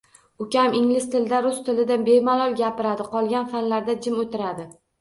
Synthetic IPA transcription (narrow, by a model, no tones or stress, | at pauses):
ʊkʲamɪŋlɪst̪ʰɪld̪aɾʊst̪ʰɪlɪd̪anbemalˠɒlˠɡʲapɪɾad̪ɪqʰɒlˠɡʲanfanlaɾd̪ad͡ʒɪmot̪ʰɪɾad̪ɪ